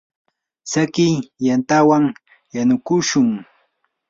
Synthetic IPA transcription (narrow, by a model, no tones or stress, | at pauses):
sakɪjjant̪awaŋ | janʊkʊʃʊŋ